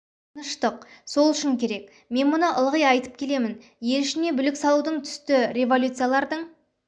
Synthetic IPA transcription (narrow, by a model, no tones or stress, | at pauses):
nəʃt̪əq̚so̞lˠʏʃɪŋkʲʰe̞ɾe̞k | me̞nmʊnəʔəlˠʁəjɑjt̪ə̥p̚kʲʰe̞le̞mɪn | je̞lɪʃɪne̞bʏlɪksɑlˠud̪əɴt̪ʰʏ̥st̪ɪɾʲe̞vo̞lʲut̪sɨjalˠɑɾd̪əɴ